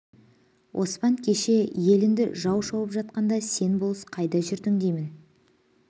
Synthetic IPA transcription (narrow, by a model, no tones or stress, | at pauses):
wʔo̞̰spɑŋkʲʰe̞ʃe̞je̞lɪnd̪ɪʒɑwʃɑwəpʒɑt̪̚qɑnd̪ɑse̞nbolˠsə̥qʰɑjd̪ɑʒʏɾd̪ɪŋd̪ejmɪn